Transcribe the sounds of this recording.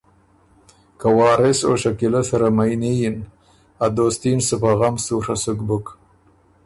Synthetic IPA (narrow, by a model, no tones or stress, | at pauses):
kawɑːɾɪso̰ʃakilasaɾamajnijin | ad̪oːst̪insəpaɣamsuʂasʊkbʊk